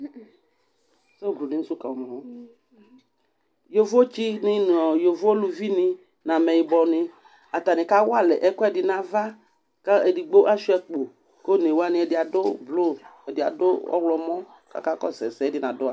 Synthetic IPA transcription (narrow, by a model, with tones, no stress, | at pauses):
so˦blo˨nɪ˦u˦sʊ˦ka˨mɔ̃˨wo˦ | jo˨vo˦t͡ʃi˦nɪ˦n˨ɔ˨jo˨vo˦o˦lu˨vi˦nɪ˦ | nã˨mɛ˨jɪ˨bɔ˨nɪ̃˦ | a˨t̪a˨nɪ̃˨ka˦wo˦a˦lɛ˨ʔɛ˦kɔ˦ɛ˦dɪ˨nã˨va˦ | ka˦e˨di˨ɡ͡bo˦ʔa˦ʃi˦ɛ˨k͡po˨ | ko˦ne˨wo˦a˦nɪ̃˦ɛ˨dɪ˨a˨dʊ˦blo˦ɛ˨dɪ˨a̰˨dʊ˦ɔ̰˦wlɔ˨mɔ̃˦ | ka̰˦ka˦kɔ˦sɛ˨sɛ˨˦dɪ˨nã˨dʊ˦a˦